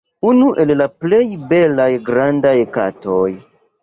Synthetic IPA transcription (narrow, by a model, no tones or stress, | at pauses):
unuʔe̞llaple̞jbe̞lajɡɾandajka̰toj